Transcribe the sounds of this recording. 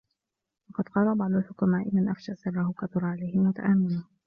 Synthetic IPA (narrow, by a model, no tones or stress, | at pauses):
wɑqɑd̪qɑːlabɑʕd̪ˤʊlħʊkʊmaːʔɪmanʔafʃaʔsˤɨrˤːɑhʊkaθʊɾˤɑʕalajhɪlmʊt̪a̰ʔamːɪnʊh